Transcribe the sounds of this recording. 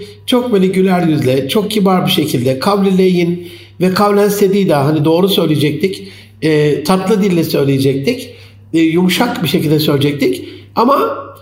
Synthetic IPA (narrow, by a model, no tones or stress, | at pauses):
t͡ʃʰo̞k̚belʲiɟylʲæɾjyzlʲɛt͡ʃʰo̞k̚cʰibaɾbiʃe̞cʰilʲd̪ɛkʰavlʲilʲejin | vɛkʰavlʲænst̪ed̪ijd̪aɦanid̪o̞ːɾusø̞jlʲejed͡ʒɛc̚t̪ʰicː | t̪ʰat̪lˠɯd̪ilʲːɛsø̞jlʲejed͡ʒɛc̚t̪ʰicː | jumuʃakbiʃecʰilʲd̪ɛsø̞lʲed͡ʒɛc̚t̪ʰicama